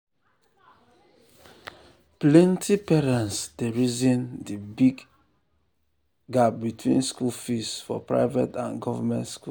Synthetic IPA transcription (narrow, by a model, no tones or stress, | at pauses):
plɛ̃ntʰipɛɹãnsd̥eɹizĩndibiɡ | ɡab̚bitʰwḭ̃nskulfisfɔ̰pɹa̰ɪvɛtã̰nɡɔvamɛ̃ntskṵ